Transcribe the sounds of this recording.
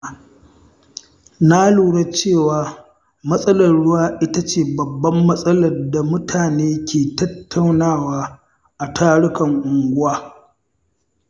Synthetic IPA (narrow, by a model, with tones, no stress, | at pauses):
na˦luː˨ɽa˦t͡ʃeː˦˨waː˨ | mɐ˦sʼɐ˦lɐ˨rɽʊ˦waː˦ʔɪ˦ta˦t͡ʃeː˨bɐ˨bːɐ˦mːɐ˦sʼɐ˦lɐ˨rda˨mʊ˦tʰaː˨neː˦kʲʰeː˨tɐ˦tːa˨wnaː˦˨waː˦ | ʔa˨tʰaː˦ɽʊ˦kɐ˨ŋʔʊ˨ŋɡʷʊ˦waː˦